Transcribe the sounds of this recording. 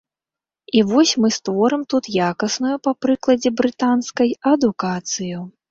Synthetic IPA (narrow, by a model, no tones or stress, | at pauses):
ivɔsʲmɨst̪vɔɾɨmt̪ut̪jakɐsnujupɐpɾɨklˠɐd͡zʲɛbɾɨt̪anskɐjɐd̪ukat̪sɨju